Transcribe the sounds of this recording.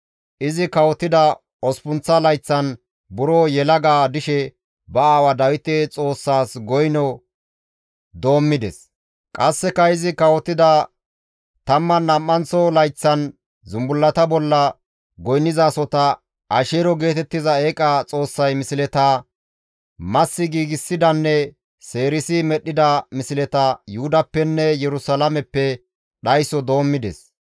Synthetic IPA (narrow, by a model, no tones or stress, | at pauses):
ʔɪzɪkɐwɔt̪ːɪd̪ɐ | ɔspʊnt͡sːɐlɐjt͡sːɐn | bʊɾɔjɛlɐɡaːd̪ɪʃɛ | bɐaːwɐd̪ɐwɪt̪ɛt͡sʼo̞ːsːaːsɡɔjnɔ | d̪o̞ːmːɪd̪ɛs | kʼɐsːɛkːɐɪzɪkɐwɔt̪ːɪd̪ɐ | t̪ɐmːɐnːɐmːɐnt͡sːɔlɐjt͡sːɐn | zʊmbʊlːɐt̪ɐbɔlːɐ | ɡɔjnːɪzaːsɔt̪ɐ | ʔɐʃeːɾɔɡe̞ːt̪ɛt̪ːɪzɐeːkʼɐt͡sʼo̞ːsːɐjmɪsɪlɛt̪ɐ | mɐsːɪɡiːɡɪsːɪd̪ɐnːɛ | se̞ːɾɪsɪmɛɗːɪd̪ɐmɪsɪlɛt̪ɐjʊhʊd̪ɐpːɛnːɛjɛɾʊsɐlɐmɛpːɛ | ɗɐjsɔd̪o̞ːmːɪd̪ɛ̰s